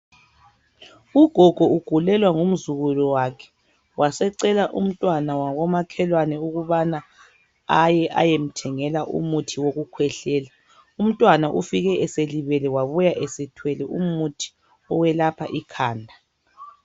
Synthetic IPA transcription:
uɡ̥ʱɔɡ̥ʱɔuɡ̥ʱulɛlwaŋum̩zuɣulɔwakʰɛ̥ | wʔasɛǀɛlaʔum̩tʼwanawaɣɔmakʰɛlwanɛuɣuβana | ajɛʔa̰jem̩tʰɛŋɛlaʔṵmutʰiwoɣukʰwɛɬɛːla | um̩tʼwanaʔufiɣɛʔɛseliβɛlɛwaβujaʔɛsɛtʰwɛlɛumutʰi̥ | ɔwɛlapʰaʔikʰaːndʱa

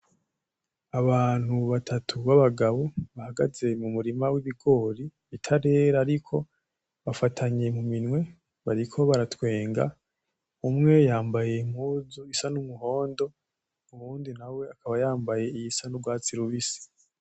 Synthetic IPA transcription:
aβaːn̥huβatʰatʰuβaβaɡaβoβahaɡaze̞mumuɾimawiβiɡo̞ːɾiβitʰaɾe̞ːɾaːɾikʰo̞ | βafatʰaɲe̞muminwe̞ | βaɾikʰo̞βaɾatwe̞ːŋɡa̰ | umŋe̞jaːmbaje̞m̥huːzuisanumuɦo̞ːndo̞ | umuɾuːndinawe̞akaβajaːmbaje̞ijisanubɡwaːt͡siɾuβisi̥

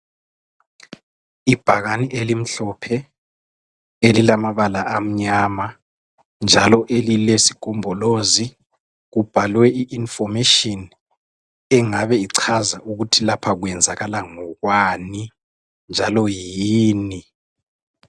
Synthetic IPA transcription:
ib̥ʱaɣaniʔelim̩ɬɔpʰɛ | elilamaβalaʔam̩ɲama | nd͡ʒʱalɔʔelilesi̥kʼumbʱɔlozi | ɣub̥ʱalwɛiʔinfɔmeʃɔn | ɛŋaβɛiǀʰazaʔuɣutʰilapʰaɣwɛnd͡zʱaɣalaŋɔɣwani | nd͡ʒʱalɔjiːni

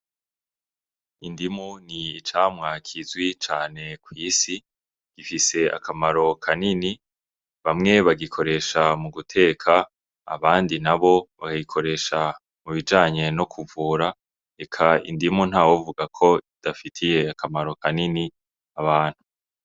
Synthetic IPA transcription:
indimuniit͡ʃaːmŋakʰizwit͡ʃaːne̞kwiːsi | ɡ̥ifise̞a̰kamaɾo̞kʰanini | βamŋe̞βaɡikʰo̞ɾe̞ʃamuɡutʰe̞ːkʰa̰ː | βaːndinaβo̞βakaɡikʰo̞ɾe̞ʃa | muβid͡ʒaːɲe̞no̞kʰuvuːɾa | e̞kʰaḭndimun̥haːwovuɡakʰo̞id̥afitʰije̞akʰamaɾo̞kanini | aβaːn̥hu

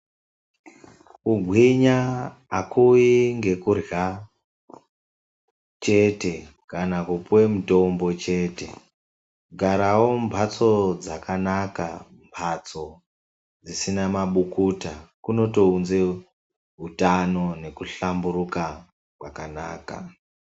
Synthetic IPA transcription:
kuɡʱwiɲaːkujiŋɡe̞kurja | t͡ʃe̞te̞ | kanakupwe̞muto̞mbo̞t͡ʃe̞ːte̞ | ɡʱaɾawo̞mpʰat͡so̞d͡zakanaka̰ | mpʰat͡so̞ | d͡zisinamaɓukutakuno̞to̞unze | ɦutano̞ne̞kuɬamburuka | kwakana̰ːka̰

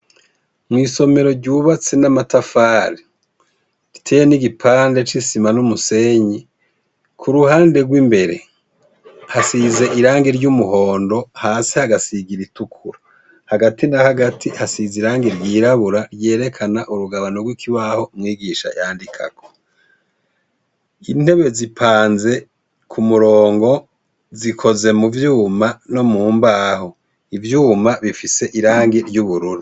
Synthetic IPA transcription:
mŋiːso̞me̞ɾo̞ɾɟuːβat͡senamatafaːɾi | ɾitʰe̞jeniɡipʰaːnde̞t͡ʃisimanumuse̞ɲi | kʰuɾuhaːnde̞ɡwimbe̞ɾe̞ | hasize̞ʔiɾaːŋɡiɾɟumuho̞ːndo̞haːsihaɡasiɡiɾitukʰuɾa | haɡatinahaɡatʰihasiziɾaːŋɡiɾɟiːɾaβuɾaɾje̞ːɾe̞kʰanaʔuɾuɡaβanoɡwikʰiβaho̞mŋiːɡiʃa̰jaːndikʰa̰kʰo̥ | in̥he̞βe̞zipʰaːnze̞ | kʰumuɾoːŋɡo̞ | zikʰo̞ze̞muvjuːmano̞muːmbaho̞ | ivjuːmaβifise̞ʔiɾaːŋɡiɾɟuβuɾuɾu

